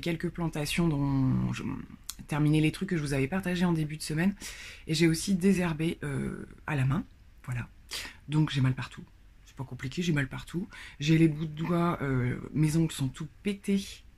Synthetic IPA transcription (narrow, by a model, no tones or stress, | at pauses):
kʲɛlkəplɑ̃t̪asjɔ̃d̪ɔ̃ʒ̰t̪ɛʁminelet̪χykːəʒəvuzavɛpaʁt̪aʒeɑ̃d̪ebyd̪əsəmɛneʒeosid̪ezɛʁbeʔø̰a̰lamɛ̃ | vwala | d̪ɔ̃kʒemalpaʁt̪ʰu | sɛ̥pakɔ̃plikʲeʒimalpaʁt̪ʰuʒelebud̪d̪waø̰mezɔ̃ki̥sɔ̃t̪upet̪e